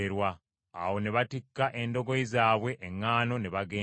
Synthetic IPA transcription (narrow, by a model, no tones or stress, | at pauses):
eɾwaː | wo̞neβatikːaʔe̞ndo̞ɡoizaːβwe̞ʔːŋːaːno̞neβaɡeː